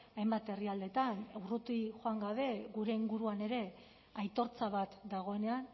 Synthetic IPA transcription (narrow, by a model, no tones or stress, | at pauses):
ajmbat̪e̞riald̪e̞t̪anewrut̪iʝo̞aŋɡaβ̞e̞ɣuɾe̞iŋɡuɾuane̞ɾe̞ | ajt̪o̞ɾt͡saβat̪d̪aɣ̞o̞e̞ne̞an